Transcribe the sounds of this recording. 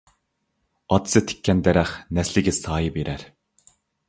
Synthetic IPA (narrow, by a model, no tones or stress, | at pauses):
ɑt̪ʰɨ̥sɨt̪ʰɪ̥kʲːɛnd̪ɛɾæχnɛslɪɡʲɪsɑːjibeɾæɾ